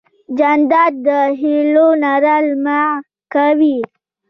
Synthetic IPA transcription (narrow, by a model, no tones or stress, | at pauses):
d͡ʒand̪ɑd̪̚d̪əɦilonaɾalma | kawi